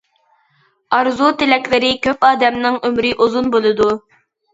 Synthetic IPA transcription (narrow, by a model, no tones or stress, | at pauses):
ɑɾzut̪elɛkʲlɪɾɪkʲøpɑːd̪ɛmnɪŋømɾɪʔuzunbolˠɨd̪u